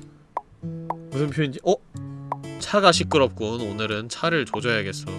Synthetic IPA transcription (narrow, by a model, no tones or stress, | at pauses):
mɯɯmpʰjoind͡ʑiʔʌ | t͡ɕʰaɡaɕʰik͈ɯɾʌp̚k͈ononɯɾɯnt͡ɕʰaɾɯɭt͡ɕod͡ʑʌjaɡe̞s͈ɯjo